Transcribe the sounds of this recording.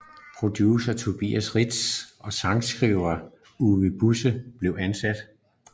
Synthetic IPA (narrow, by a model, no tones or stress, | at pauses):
pʰʁo̝d̥juːsɐt͡sʰo̝b̥ḭːæsʁid̥sʔɒ̽sɑ̈ŋsɡ̥ʁiʊ̰ɐ | uʋəb̥usəb̥le̝ʊænsæd̥